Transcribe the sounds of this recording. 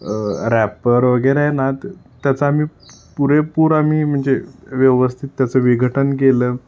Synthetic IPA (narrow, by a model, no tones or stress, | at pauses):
ɾæpəɾʋəɡəɾanat̪ː | jat͡saːmiːpuɾepuːɾam̤iːm̤əɳd͡zeʋjəʋəst̪ʰit̪ːjat͡səʋiɡʱəʈənk̬eləː